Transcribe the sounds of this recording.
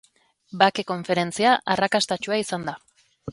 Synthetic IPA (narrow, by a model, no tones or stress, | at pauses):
bake̞ko̞ɱfe̞ɾe̞nt͡siaʔarakast̪at͡ʃuaisand̪a